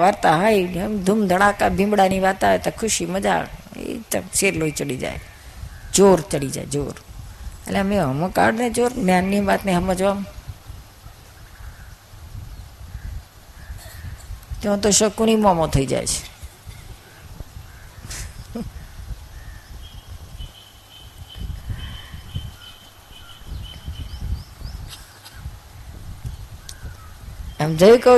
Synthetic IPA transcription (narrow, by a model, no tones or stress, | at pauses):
ʋaɾt̪aɦajɦəmd̪ʱumd̪ʱəɽakabʱĩmbɽaniʋat̪aʋet̪okʰʊʃiməd͡ʒa̰ḛt̪ə̰seɾloit͡ʃəɽid͡ʒa̰j | d͡ʒoɾt͡ʃəɽid͡ʒa̰ed͡ʒoɾḛleəmẽəməka̰ɽned͡ʒoɾnjanːiʋat̪neɦəməd͡ʒʋam | t̪eõt̪oʃɔkunimɔmot̪ɦojd͡ʒa̰jt͡ʃʰe̥ | ɛmd͡ʒəikə